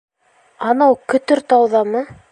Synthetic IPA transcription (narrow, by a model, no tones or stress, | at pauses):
ɑnɑwkɵ̆t̪ɵɾt̪ɑwðɑmɤ